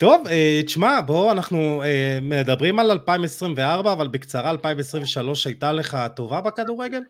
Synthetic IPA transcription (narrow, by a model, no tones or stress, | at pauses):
t̪o̞veʃmabo̞anaχnuemed̪abʁimalalpaimesʁimve̞aʁbaːvalbekt͡saʁaːlpaimvesʁimveʃalo̞ʃajtale̞χat̪o̞vabekaduʁeɡe̞l